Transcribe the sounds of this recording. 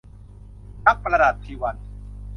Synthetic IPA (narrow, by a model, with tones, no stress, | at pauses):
na˦˥k̚pɾa˧daː˨˩t̪ʰːiː˧wa˧n